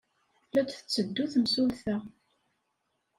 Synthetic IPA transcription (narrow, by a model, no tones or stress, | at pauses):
læt͡sθə̥t͡sːəd̪ːuθəmsulθæ